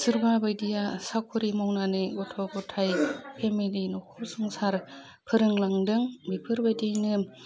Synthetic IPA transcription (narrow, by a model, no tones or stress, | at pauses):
sɯɾbabajdijasakʰuɾimɔwnanɯɡɔtʰɔɡɔtʰajpʰemilinɔkʰɔsuŋsaɾ | pʰɯɾɯŋlaŋdɯŋbipʰɯɾbajdijnɯ